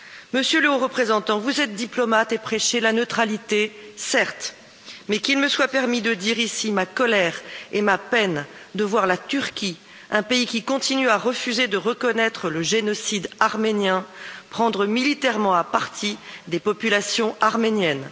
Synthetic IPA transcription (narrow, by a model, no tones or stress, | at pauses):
məsjøləoʁəpχezɑ̃t̪ɑ̃vuzɛt̪̚d̪iplɔmat̪epχɛʃelanøt̪χalit̪esɛʁt̪ | mɛkʲilməswapɛʁmid̪əd̪iʁisimakɔlɛʁemapɛn | d̪əvwaʁlat̪yʁkʲi | ɛ̃peikʲikɔ̃t̪inyaʁəfyzed̪əʁəkɔnɛt̪χələʒenɔsid̪aʁmenjɛ̃pχɑ̃d̪ʁəmilit̪ɛʁmɑ̃apaʁt̪ʰid̪epɔpylasjɔ̃ʔaʁmenjɛn